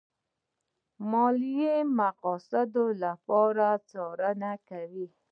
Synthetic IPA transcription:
mɔlijemaqɔsad̪olapɔɾat͡sɔɾanakawi

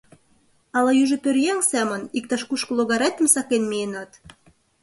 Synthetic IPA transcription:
ɑlɑyʒə̆pørjæŋsæmə̆nik̚t̪ɑʃkuʃkɤ̆loɣɑɾet̪ə̆msɑkenmienɑt̪

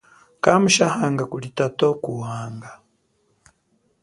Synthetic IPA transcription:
kamuʃahaːŋɡakulitatokuhaːŋɡa

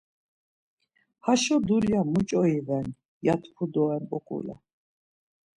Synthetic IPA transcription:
haʃɔd̪uljamut͡ʃʼɔivɛn | jat̪ʰpʰud̪ɔɛmbʼɔkʼṵlɛ̰

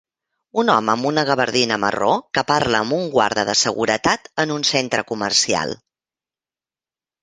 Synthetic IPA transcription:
unɔməəmbunəɣəβəɾðinəmə̰rokəpaɾləːmbuŋɡwa̰ɾðəðəsəɣuɾət̪at̪ənunsent̪ɾəkumərsia̰lˠ

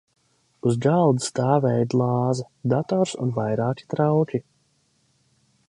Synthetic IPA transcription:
uzɡalˠd̪st̪aːvɛjd̪lˠɑːza | d̪at̪ɔɾsṵnvajɾaːkʲi̥t̪ɾawkʲi

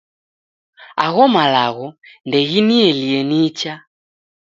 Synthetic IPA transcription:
a̰ɣɔmalaɣɔndɛɣiniɛliɛnit͡ʃa

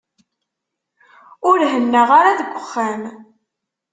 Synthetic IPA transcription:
ʊɾɦənːəʁaɾaðəɡʷəχːæm

